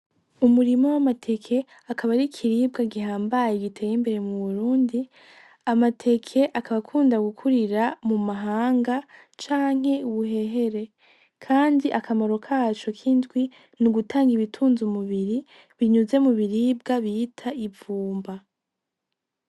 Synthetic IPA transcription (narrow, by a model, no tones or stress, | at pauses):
umuɾimo̞wamatʰe̞kʰe̞ | akaβaɾikʰiɾiːb̚ɡaɡihaːmbajeɡitʰe̞ːjimbe̞ɾe̞muβuɾuːndi | amatʰe̞kʰe̞ʔakaβakʰuːndaɡukʰuɾiɾamumaɦaːŋɡa | t͡ʃaːŋ̥he̞uβuɦe̞ɦe̞ɾe̞ | kʰaːndiʔakʰamoɾo̞kʰat͡ʃo̞kʰindɡwi | nuɡutʰaːŋɡiβitʰuːnzumuβiɾi | βiɲuze̞muβiɾib̚ɡaβitʰaivuːmba